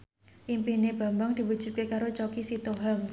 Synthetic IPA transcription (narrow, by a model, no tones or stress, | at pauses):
ʔimpihneb̥a̤mbaŋd̪̥i̤bud̥ʒ̥ṳkekaɾot͡ʃokisit̪oɦam